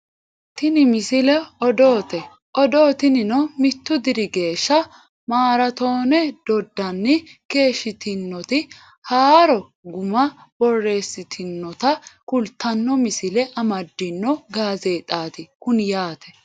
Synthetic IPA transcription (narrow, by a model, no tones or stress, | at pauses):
t̪ɪnɪmɪsɪlɛɔd̪o̞ːt̪ɛ | ʔɔd̪oːt̪ɪnɪnɔmɪt̪ːʊd̪ɪɾɪɡe̞ːʃːɐ | maːɾɐt̪o̞ːnɛd̪̥ɔd̪ːɐnːɪke̞ːʃːɪt̪ɪnːɔt̪ɪ | haːɾɔ | ɡʊmɐb̥ɔrːe̞ːsːɪt̪ʰɪnːɔt̪ɐkʊlt̪ːɐnːɔmɪsɪlɛʔɐmɐd̪ːɪnːɔɡaːze̞ːt̪ʼaːt̪ɪkʊnjaːt̪ʰɛ̥